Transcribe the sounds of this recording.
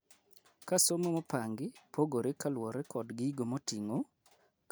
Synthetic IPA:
kasomomɔpaŋɡɪpʰoɡoɾekalwɔɾekɔdɡɪiɡomotiŋo | k

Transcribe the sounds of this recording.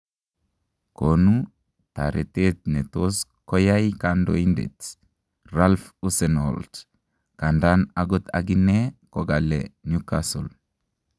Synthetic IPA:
konu | t̪a̰ɾʔet̪et̪̚net̪oskɔjajkando̰indḛt | ralfusɛno̰lt | kandanaɡɔt̪a̰ɡinːekɔɡalenjukasṵl

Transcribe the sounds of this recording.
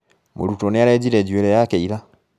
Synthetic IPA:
mo̰ɾutoneaɾed͡ʒiɾed͡ʒieɾejakeiɾa

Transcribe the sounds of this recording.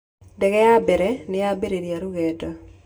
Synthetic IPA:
dɛɡɛabeɾɛnɪabeɾeɾjaɾuɣedo

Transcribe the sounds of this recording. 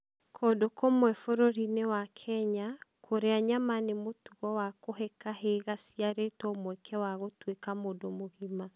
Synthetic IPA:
kʰodokomwɛfoɾoɾinewakʰɛɲakʰoɾeaɲamanemotuɣɔwakoɦɛkaɦeɣasiaɾetɔomwɛkʰɛwaɣotwekamodomoɣima

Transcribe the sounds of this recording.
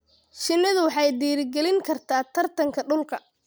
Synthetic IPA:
ʃɪnːɐðʊwɑħɑjd̪iːɾɪɡɛlɪŋkʰɐrt̪ʰaːt̪ʰɐrt̪ʰɐŋkʰɐɖʊlkʰɐ

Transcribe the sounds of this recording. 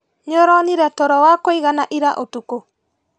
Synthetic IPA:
ɲɔɾɔniɾɛtɔɾɔwakoiɣanaʔiɾaʔotuko

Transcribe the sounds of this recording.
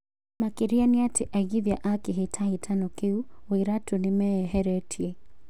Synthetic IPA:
makiɾianiatʰiʔaɣiðjaʔakiɦitʰaitʰanɔkiuiɾatunimɛɛɦɛɾɛtʰiɛ

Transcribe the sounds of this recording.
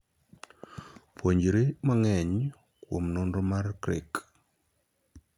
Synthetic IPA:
poɲd͡ʒɾemaŋɛɲ | kwomnondomarkɾɪ̰k

